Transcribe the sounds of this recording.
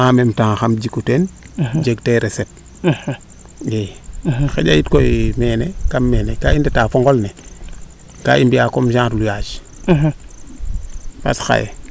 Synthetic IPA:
aːmemtaŋxamd͡ʒikuten | d͡ʒeɡteɾesep̚ | jexḛɟajitkoimeːnekamːeːnekaindetaːfoŋɡolne | ka̰ːʔimbijakomʃãːɾlujaːʃ | pa̰sxa̰jḛ

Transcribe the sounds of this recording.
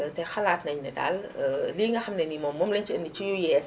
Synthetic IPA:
tɛxɐlaːtnɐɲnɛda̰lliːŋɡɐxɐmnɛnimɔmːɔmlɛnt͡ʃiəndit͡ʃijujɛːs

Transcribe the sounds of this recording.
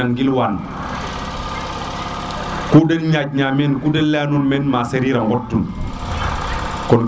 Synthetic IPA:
aŋɡilwan | kudelɲad͡ʒ̚ɲamenkudellenunmenmaseɾiɾaŋɡɔtːun | kɔn

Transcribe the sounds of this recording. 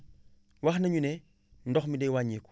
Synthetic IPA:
waxnɐɲune | n̩dɔxmidewaɲeːku̥

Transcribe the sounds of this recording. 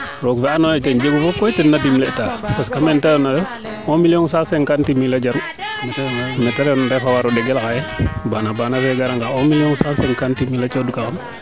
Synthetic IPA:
ɾɔkfɛanɔjɛtɛnd͡ʒeɡufɔkɔjtɛnːadimlɛʔtapaskamɛntaɾɛnadɛ | ɔmilijɔŋsasɛŋkantimilad͡ʒan | mɛtnmɛtaɾɛndɛfawaɾɔdɛɡɛlkajɛbanabanafɛɡaɾaŋɡaɔmilijɔnsasɛŋkantimilat͡ʃɔdukaɔn

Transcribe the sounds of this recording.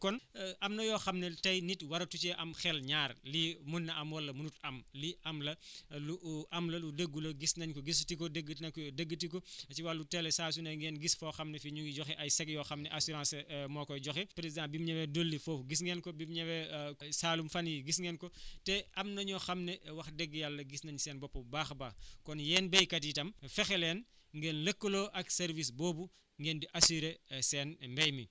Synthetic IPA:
kɔnʔɐmnɐjɔxɐmnɛtɐjnitwɐɾɐtut͡ʃɛʔɐmxɛlɲaːrlimunːɐʔɐmwɔlːɐmunutɐmliʔɐmlɐluʔɐmlɐludəɡulɐɡisnɐɲkɔɡis̬tikɔdəɡːətnɐkɔjɔdəɡːətik̬ɔt͡ʃiwalːutɛlɛsaːs̬unɐŋɡɛnɡisfɔxɐmnɛfiɲuɡiɟɔxiʔɐjsɛkjɔxɐmnɛʔasuɾãːnsmɔːkɔɟɔxipɾezãmbimɲɐwɛdolːifofɡis̬ŋɡɛnkɔbimɲɐwɛsaːlumfɐnjiɡisŋɡɛːnkɔtɛɐmnɐɲɔxɐmnɛwɐxdɛɡːjalːɐɡisnɐɲsɛːnbɔpːɐbaːxbaːkɔnjɛːnbɛjkɐt̬itɐmfɛxɛlɛːn | ŋɡɛːnləkːəloːʔɐksɛɾvisboːbu | ŋɡɛːndiʔɐsiɾesɛːnmbɛjmi

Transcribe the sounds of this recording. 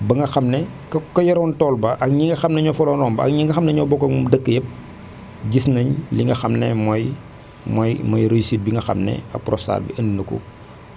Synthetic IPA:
bɐŋɡɐxɐmnɛkkɔjɐɾɔntɔːlbɐʔɐk̚ɲiŋɡɐxɐmnɐɲɔfɔlɔnrɔːmbɐɐ̰kɲiŋɡɐxɐmnɐɲɔbɔkːɐmumdəkːəjɐp̚ | ɟisnɐɲliŋɡɐxɐmnɛmɔj | mɔjmɐjɾesit̚biŋɡɐxɐ̰mnɛ̰ɐ̰pːrɔsa̰ːlbḭʔəndinɐkṵ

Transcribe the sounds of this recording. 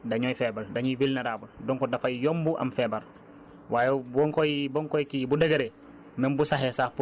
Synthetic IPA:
daɲoːjfɛbaldaɲuvilnaɾabuldɔŋkodafajjɔmbuʔa̰mfɛːbal | wʔaːjebɔŋkojibɔŋkojkibudeɡeɾe | mɛmbusaɦesafu

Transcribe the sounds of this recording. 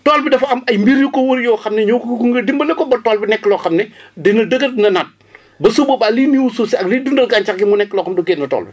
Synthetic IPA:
tɔːlbidɐfɐmɐjmbiɾjukɔwoɾjɔːxɐmnɛɲokkuŋɡədimbɐnɐkːɔbɐtɔːlbinɛkːəlɔːxɐmnɛdinɐdəɡɐtnɐnɐt̚ | bɐsubobaliniwusuːsiɐkliːdundɐlkaːɲt͡ʃakɡimunɛkːəlɔːxɐmdɔkeːnːɐtɔ̰ːlbi

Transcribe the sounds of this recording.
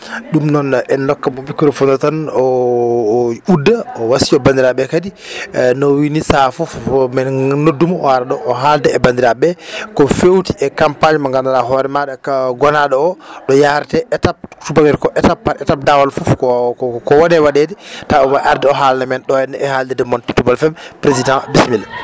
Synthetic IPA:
ɗumnɔnʔɛnlɔkːamɔikuɾɔfɔnɔtanɔ | udːaɔwasiɔband̪iɾaɓɛkadi | nɔwinisafufmɛnnodːumɔɔ̰waɾaɗɔʔːɦaldɛɛbandiɾabɛkɔfewtiʔɛkampaɲmaŋɡandaɗaɦɔɾɛmaɗɛɡɔnaɗɔɔɗɔjaɾtɛɛtap̚tubaɡɛɾkɔʔɛtapːaɛtap̚dawalfufkɔkɔwɔnɛwaɗedɛtaɔmaʔaɾdɛɔɦalnamɛnɗɔɛnɛɛhaldɛdɛmɔntitubalfɛmpɾezidãbismilɛ

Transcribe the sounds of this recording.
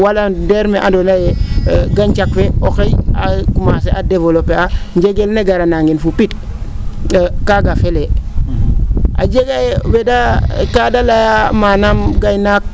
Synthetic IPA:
waladeɾmeʔadonajeɡaɲt͡ʃakfeokejakumas̬eʔadevolopːeaɲd͡ʒeɡelneɡaɾanaŋɡinfupit | kaɡafele | a̰d͡ʒeɡajewedakadalajamanamɡajnak̚

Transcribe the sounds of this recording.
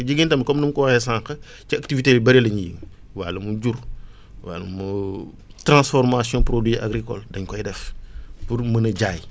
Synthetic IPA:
ɟiɡintɐmkɔmnumkɔwhɛsãŋkɐ | ciaktivitelibɐɾilɐɲijḭŋ | wa̰lɐmuɟuɾ | wa̰lɐmu | tɾãnsfɔɾmasjɔ̃pɾodwiʔa̰ɡɾikɔ̰ldɐɲkɔjdɛfpuɾmənɐɟaːj

